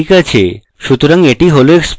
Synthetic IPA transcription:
ikat͡ɕʰḛ | ʃut̪oɾaŋeʈiɦoloeksp

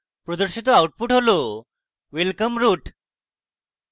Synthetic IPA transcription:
pɾod̪əɾɕit̪oawʈ̚puːʈɦolo | ʋelkəmɾuːʈ

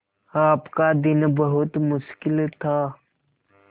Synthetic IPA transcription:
aːpkad̪ɪnbəɦʊt̪mʊʃkɪlt̪ʰaː

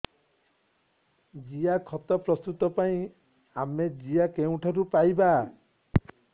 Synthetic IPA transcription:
d͡ʒijakʰɔt̪ɔpɾɔst̪ut̪ɔpaĩ | amed͡ʒijakeũʈʰɔɾupajba

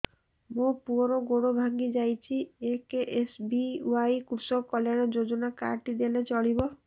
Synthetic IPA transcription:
mũpuɔɾoɡoɽobʱaŋɡid͡ʒajt͡ʃʰiekeʔesbiwajkuɾsɔkɔljaɽ̃ɔd͡ʒod͡ʒɔnaka̰ɾʈid̪elet͡ʃɔɽibɔ

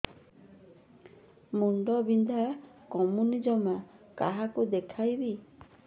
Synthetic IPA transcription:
muɳɖɔbind̪ʱakɔmunid͡ʒɔmakaɦakud̪ekʰajbi

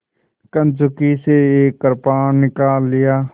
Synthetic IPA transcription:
kənd͡ʒʊkiseeːkːəɾpaːnnɪkaːlːɪjaː

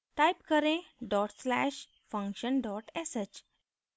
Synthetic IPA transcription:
ʈajpkəɾẽɖɔʈslæɕ | fə̃ŋkɕənɖɔʈeset͡ɕ

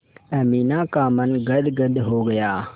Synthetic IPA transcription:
ɐmiːnaːkaːmənɡɐd̪ɡəd̪ɦoɡɐjaː

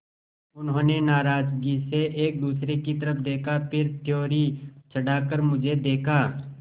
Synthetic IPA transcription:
ʊnɦõːnenaːɾaːd͡ʒɡiseʔeːk̚d̪uːsɾekit̪ɐɾəpd̪eːkʰapʰɪɾt̪joːɾit͡ʃʰɐɽaːkəɾmʊd͡ʒʱed̪eːkʰaː

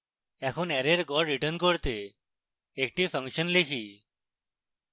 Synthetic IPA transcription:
ɛkʰuːnɛɾeɾɡɔɾɾiʈənkoɾt̪e | ek̚ʈiːfʰəŋkɕənlikʰiː

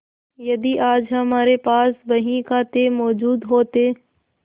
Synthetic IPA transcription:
jɐd̪iʔaːd͡ʒɦɐmaːɾepaːsbɐɦĩkaːt̪emɔːd͡ʒuːd̪ɦoːt̪eː

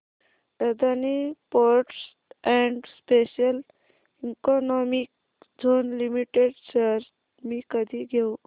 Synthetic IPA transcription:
ed̪anipoɾʈs | ɛ̃ɳɖspeɕəl | iŋkɔnɔmik̚ | d͡zʱonlimiʈeɖsəɾ | miːkəd̪ʱiɡʱew

